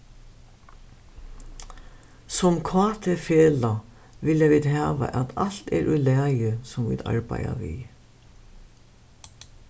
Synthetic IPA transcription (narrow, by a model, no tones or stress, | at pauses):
sɔmkʰvaːt̪ʰɪfeːla | ʋɪljaviːd̪ɦaːʋa̰ʔat̪al̥t̪ɛɾʔʉlɛːjəsʊmvḭːd̪a̰ɹpaja̰vi